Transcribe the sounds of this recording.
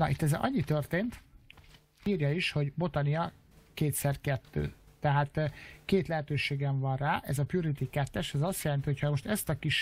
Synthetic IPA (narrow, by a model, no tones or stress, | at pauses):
nɒ̰ʔḭt̪ːɛzɛʔɒ̰ɲːit̪ørt̪eːnt̪ | iːrjɒiʃho̞ɟbo̞t̪ɒniɒ | keːt̪sɛrkɛt̪ːø̰ːt̪ɛɦaːt̪keːt̪lɛɦɛt̪øːʃeːɡɛɱvɒnraːʔɛzɒpjuɾit̪ikɛt̪ːɛʃɛzɒst̪jɛlɛnt̪iɦo̞chɒmo̞ʃt̪ɛst̪ɒkiʃ